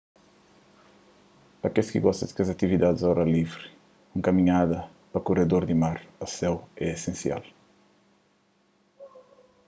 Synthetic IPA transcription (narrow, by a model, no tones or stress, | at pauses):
pɐkeskḭɡɔst̪ɐd̪kɐzɐt̪ivid̪ad̪zɔɾɐlivɾi | ũŋkɐmiɲad̪ɐ | pɐkuɾed̪oɾd̪imaɾɐsɛwɛesẽnsia̰l